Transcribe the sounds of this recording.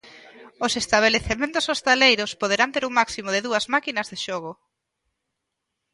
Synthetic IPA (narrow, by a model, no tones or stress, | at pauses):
osest̪aβ̞eleθemẽnt̪ʊsost̪alejɾʊspoð̞eɾant̪eɾuŋmaksimoðɪðuɐzmakinɐzðeʃɔɣ̞ʊ